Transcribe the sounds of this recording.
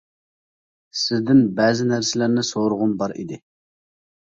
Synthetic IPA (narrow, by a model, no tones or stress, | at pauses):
sɪzd̪ɪnbɛːzɪnæɾsɪlæɾnɪsoɾʊʁʊmbɑɾḭd̪ɪ